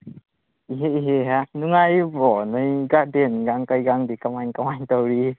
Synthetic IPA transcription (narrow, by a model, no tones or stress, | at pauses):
iɦeiɦeɦanuŋajbɔnɯjɡaʔdenɡaŋkajɡaŋdikamajnkamajnt̪əwɾi